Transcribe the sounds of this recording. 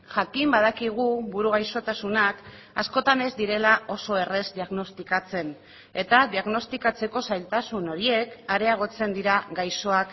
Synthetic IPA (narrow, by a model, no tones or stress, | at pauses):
ʝakimbaðakiɣ̞uβuɾuɣajso̞t̪asunak | asko̞t̪ane̞zd̪iɾe̞lao̞so̞e̞re̞zd̪iaɣno̞st̪ikat͡se̞n | e̞t̪aðiaɣno̞st̪ikat͡se̞ko̞sajlt̪asuno̞ɾie̞kaɾe̞aɣ̞o̞t͡se̞nd̪iɾaɡajso̞ak